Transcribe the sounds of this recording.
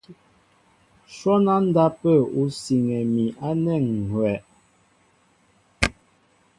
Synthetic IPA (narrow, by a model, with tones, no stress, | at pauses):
ʃwɔ˦na˦n̩˦da˦pə˦˨u˦si˨ŋɛ˨mi˨ʔa˦nɛ˦˨ŋ̩˨hwɛ˨ʔ